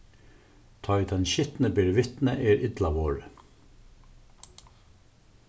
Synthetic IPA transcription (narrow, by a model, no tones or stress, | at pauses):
t̪ʰɑd̪ʰɛnɕɪt̪nəbɪɾʋɪt̪nəʔɛːɹʔɪd̪lɑʋoːɹə